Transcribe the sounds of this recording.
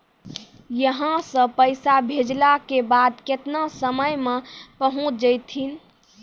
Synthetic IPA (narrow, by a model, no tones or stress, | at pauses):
jəɦə̃sə̃pəjsabʱed͡ʒlakebad̪ket̪nasəməjmepəɦũt͡ʃʰd͡ʒəjt̪ʰin